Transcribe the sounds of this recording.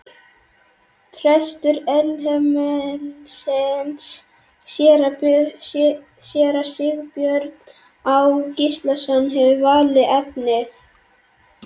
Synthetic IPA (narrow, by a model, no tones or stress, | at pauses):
fʰɾɛst̪ʏɾɛlɦɛmɛlsɪnsː | jɛːɾa | sjɛːɾasɪɣpjœɾt̪n | awcist̪lasɔnːɦɛvʏvaːlɪɛpnɪθ